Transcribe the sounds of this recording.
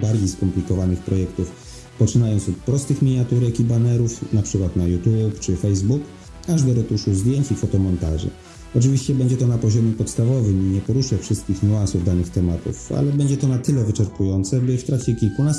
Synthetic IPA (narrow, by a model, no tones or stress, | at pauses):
baɾd͡ʑejskɔmplʲikɔvanɘxpɾɔjɛkt̪uf | pɔt͡ʂɘnajɔnsɔt̪̚pɾɔst̪ɘxmʲiɲat̪uɾɛkibanɛɾufnapʂɘkwat̪najut̪jupt͡ʂɘfɛjzbuk | aʐd̪ɔɾɔt̪uʂuzd̪ʲjeɲt͡ɕifɔt̪ɔmɔnt̪a̰ʐɘ̰ | ɔt͡ʂɘvʲiɕt͡ɕɛbɛɲd͡ʑɛt̪ɔnapɔʑɔmʲjɛpɔt̪st̪avɔvɘmiɲɛpɔɾuʂɛfʂɘst̪kʲixɲuansuvd̪anɘxt̪ɛmat̪ṵfa̰lɛbɛɲd͡ʑɛt̪ɔnat̪ɘlɛvɘt͡ʂɛɾpujɔnt̪sɛbɘft̪ɾak̚t͡ɕɛkʲilkunas